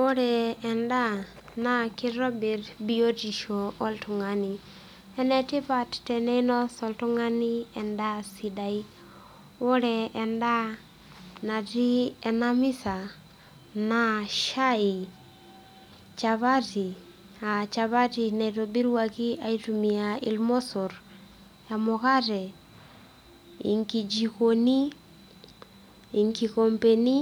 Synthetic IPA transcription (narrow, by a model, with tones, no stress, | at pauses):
o˦ɾɛ˨ɛ˨nda˦ | na˦ki˦ɾɔ˦bɛ˨rbio˦ti˨ʃo˨o˦ltu˨ŋa˨ni˨ | ɛ˦nɛ˨ti˦pa˨ttɛ˨nɛ˦i˦nɔ˦sɔ˨ltu˦ŋa˦ni˦ɛ˨nda˦si˨da˨i˦ | o˦ɾɛ˨ɛnda˦ | na˨ti˦ɛ˨na˦mi˦sa˨ | naʃai | t͡ʃaβati | at͡ʃaβatina˨iɾobiɾwakiaitumiaḭlmo˦soɾ | jamokaɾɛ | ḭŋkid͡ʒikoni˦ | ŋkikompeni